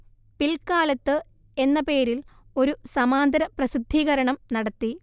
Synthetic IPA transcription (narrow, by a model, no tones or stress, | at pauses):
pilkaːlɐt̪ːɨ | e̞nːɐpe̞ːɾilo̞ɾusɐmaːnd̪ɐɾɐprɐsid̪ʱːiːɣɐɾɐɳɐmnɐɽɐt̪ːi